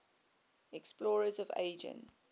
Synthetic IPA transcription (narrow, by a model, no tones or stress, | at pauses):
ɛksplɔːɹəzɔvḛɪd͡ʒə̰̃n